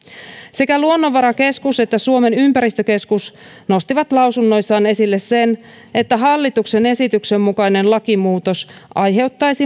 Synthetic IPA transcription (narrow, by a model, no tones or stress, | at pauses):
se̞kæluonːo̞ʋːɑɾɑke̞skuse̞t̪ːæsuo̞me̞nympæɾist̪øke̞skus | no̞st̪iʋɑt̪lɑwsunːo̞jsːɑːne̞silːe̞sse̞n | e̞t̪ːæɦɑlːit̪ukse̞ne̞sit̪ykse̞mːukɑjne̞nlɑkimuːt̪o̞sʔɑjɦe̞wt̪ːɑjsi